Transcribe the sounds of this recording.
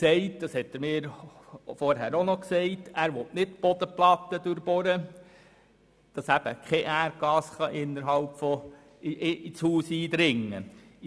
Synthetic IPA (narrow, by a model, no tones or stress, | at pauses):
sɛɪtd̥ɑshɛtːəɾmɪːɾfɔɾɦæːɾonɔksɛɪtæːɾʋɔtnɪtb̥ɔd̥̪əplɑt̪ːəd̥̪øɾbɔɾə | d̥ɑsæb̥ə̰kʰɛʔæːɾɡ̥ɑːsχɑʔɪnːəɾɦɑlpfɔ | ʔit͡shuːsiːd̪ɾɪŋːə